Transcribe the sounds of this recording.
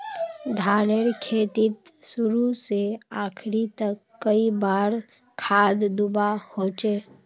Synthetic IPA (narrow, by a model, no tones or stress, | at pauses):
d̪ʱaːneɾkʰeːt̪ɪt̪sʊɾuseaːkʰɾit̪əkːəibaːɾ | kʰaːd̪d̪ubahoːt͡ʃeː